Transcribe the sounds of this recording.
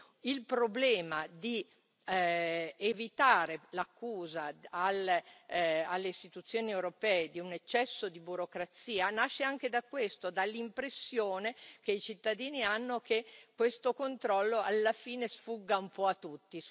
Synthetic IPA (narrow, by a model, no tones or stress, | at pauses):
ilpɾoblɛːmad̪i | evit̪aːɾelakːuːzaal | alːeist̪it̪ut̪sːjoːniewɾopɛːed̪iunet͡ʃːɛsːod̪ibuɾokɾat̪siːanaʃːeaŋk̟ed̪akːwest̪od̪alːimpɾesːjoːnek̟eit͡ʃit̪ːad̪iːnianːok̟ekːwest̪okont̪ɾɔlːoalːafiːnesfuɡːaumpɔat̪ːut̪ːi